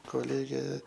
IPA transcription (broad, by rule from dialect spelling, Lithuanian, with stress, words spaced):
koːˈlʲeːɡʲeː